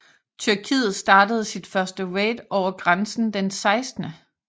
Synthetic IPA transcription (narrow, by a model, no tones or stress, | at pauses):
t͡sʰyɐkʰḭːð̩ˠsd̥ɑ̈ːdəð̩ˠsid̥fɶɐsd̥əweːd̥ɒʊɐɡ̥ʁansn̩d̥ensɑ̈ɪsd̥nə